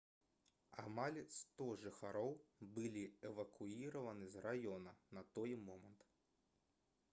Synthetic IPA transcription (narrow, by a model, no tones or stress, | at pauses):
a̰malʲst̪ɔʐɨxaɾɔwbɨlʲiɛvɐkʰuiɾɐvɐnɨzrajɔnɐnɐt̪ɔjmɔmɐnt̪